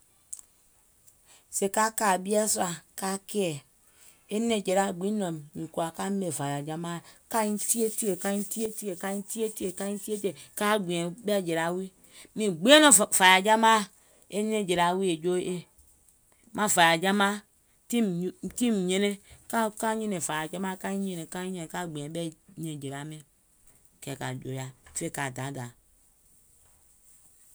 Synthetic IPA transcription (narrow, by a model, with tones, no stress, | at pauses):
se˨ka˦ka˨bi˦a˦swa˨ka˦ke˦e˨ | e˦ne˦˨d͡ʒe˨ɾa˦˨ɡ͡bi˨˦no˨mːi˨ku˨a˨ka˦me˨va˨ja˨d͡ʒa˦ma˦˨ka˦n˦ti˦e˦ti˦e˨ka˦i˦n˦ti˦e˦ti˦e˨ka˦n˦ti˦e˦ti˦e˨ka˦i˦n˦ti˦e˦te˨ka˦ɡ͡bʷi˨e˨be˦a˦˨d͡ʒe˨ɾa˨wi˦ | mi˨ɡ͡bi˦e˦no˦˨va˨ja˨d͡ʒa˦ma˦ | e˦ɲe˦˨d͡ʒe˨ɾa˨wi˦e˨d͡ʒo˦ʔe˦ | ma˦˨va˨ja˨d͡ʒa˦ma˦ | ti˦m˦ti˦m˨ɲe˦ne˦ka˦ka˦ɲe˦ne˨va˨ja˨d͡ʒa˦ma˦ka˦i˦ɲe˦ne˨ka˦ɲẽ˦˨ka˦˨ɡ͡bẽ˨bɛ˦ɲe˨d͡ʒe˨ɾa˨˦mi˦ | kɛ˨ka̰˨d͡ʒo̰˨ja˨fe˦˨ka˨da˨˦da˨